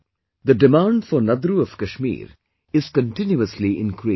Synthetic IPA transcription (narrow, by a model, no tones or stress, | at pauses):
d̪əɖɪmãːɳɖfɔɾnɐd̪ɾuɔʋkɐʃmḭːɾ | ɪz̥kə̃ɳʈɪnjuəsliʔɪ̰̃nkɾi